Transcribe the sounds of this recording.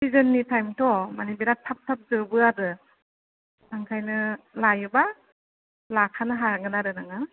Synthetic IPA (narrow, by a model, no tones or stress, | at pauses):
sizɯnːitʰajmtʰɔmanibeɾatʰap̚tʰap̚zɯbɯadɯ | aŋkʰajnɯlajɯba | lakʰanɯɦaɡɯnaɾɯnaŋa